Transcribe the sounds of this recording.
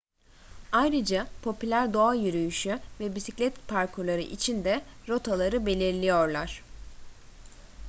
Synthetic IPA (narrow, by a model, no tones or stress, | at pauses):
ajɾɯd͡ʒapʰo̞pylʲæɾd̪o̞ajyɾyjyʃyvɛbisiclʲɛt̪pʰaɾkʰolˠaɾɯ̰ʔit͡ʃʰind̪ɛɾo̞t̪ʰalˠaɾɯbe̞lʲiɾlʲijo̞ɾlˠaɾ̥